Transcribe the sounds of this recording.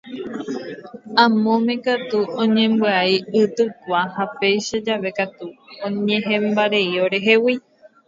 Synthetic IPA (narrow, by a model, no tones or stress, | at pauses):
ãmõmẽ̞kat̪uõɲẽ̞mbɨaiɨt̪ɨkʷahape̞jʃad͡ʒaʋe̞kat̪uõɲẽɦẽmbaɾe̞ioɾe̞ɦe̞wi